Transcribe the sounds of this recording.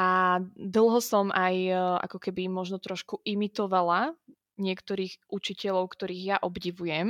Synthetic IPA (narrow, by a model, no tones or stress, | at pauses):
ʔad̪l̩ˠɦɔsɔmʔajʔa̰kɔkɛbimɔʒnɔt̪ɾɔʃkuʔimit̪ɔʋala | ɲɪɛkt̪ɔɾiːɣʔut͡ʃicɛʎɔʊkt̪ɔɾiːɣjaʔɔbɟiʋujɛm